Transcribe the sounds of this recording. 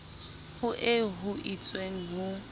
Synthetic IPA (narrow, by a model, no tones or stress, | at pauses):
hʊʔɪɦʊʔit͡sʼweŋ̩ɦʊ